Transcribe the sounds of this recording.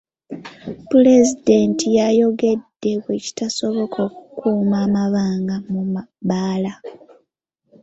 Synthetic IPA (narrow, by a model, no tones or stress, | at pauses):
pule̞zide̞ntijajo̞ɡe̞dːe̞βwe̞ci̥taso̞βo̞kʰo̞ːku̥kuːmaːmaβaːŋɡamumbaːla